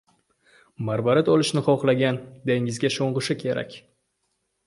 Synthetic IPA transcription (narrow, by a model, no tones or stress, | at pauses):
maɾbaɾɪt̪ʰɒlˠɪʃnɪχɒχlˠaɡʲand̪eŋɪzɡʲaʃoɴʁɨʃɪkʲʰe̞ɾa̰kʲ